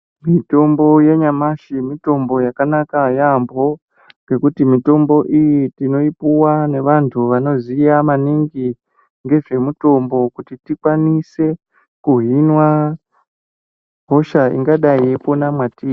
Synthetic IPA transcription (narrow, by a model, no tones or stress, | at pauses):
mito̞mbo̞je̞ɲamaʃimito̞mbo̞jakanakajambʱo̞ | ŋɡe̞kutimito̞mbo̞ʔijitino̞ipuwane̞ʋantʰuʋano̞zijamaniŋɡi | ŋɡe̞ʐe̞muto̞mbo̞kutitikwanise̞ | kuɦinwa | ɦo̞ʃaḭŋɡaɗajeponamwatiː